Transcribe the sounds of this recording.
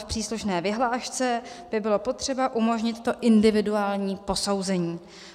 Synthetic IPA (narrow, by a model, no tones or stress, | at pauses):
fpr̥iːsluʃnɛːvɪɦlaːʃt͡sɛ | b̥ɪbɪlo̞po̞t̪r̥ɛbaʔumo̞ʒɲɪt̪ːo̞ʔɪndɪvɪduaːlɲiːpo̞sowzɛɲiː